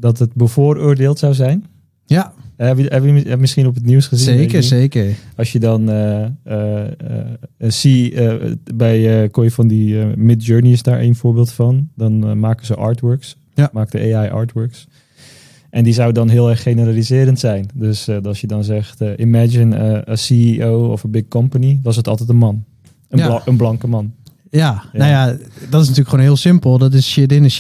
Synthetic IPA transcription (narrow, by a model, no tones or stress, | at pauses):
dɔtətbəvoːrʊːɹdeːlˠtsawzɛjn | ɛɛbɛbɛmɪsχinɔp̬ətniwsχəziəekəɑsjədɔnə | si | bɛjəkojəfɔndimɪt̚d͡ʒøːɹnisdaːɹʔḛːnfoːɹbɪːlˠtfɑndɔnmaːkəzəʔaːɹtwɜɹks | maːkdəʔeajʔɑ̰ːɹtwɜɹks | ʔɛndizawdɑnɦɪːlˠɛrχːenəralizɪːɾəntsɛjndøsdɑlsjədɑnzɛχtːʔimɛd͡ʒɪnəəsiiowɔ̰fəbɪk̚kɔmpəniʋɑs̬ətɑlˠtɛtənmɑn | əənblɑŋkəmɑn | jajnajadɑtɪsnatyːləkxχʋonɦɪːlˠsɪmpəlˠdɔt̬ɪsʃɪdɪnə